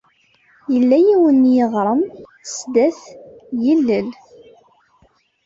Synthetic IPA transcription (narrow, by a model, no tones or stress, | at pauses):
jəlːæjiwənjəʁˤɾˤəmsd̪æθjəlːəl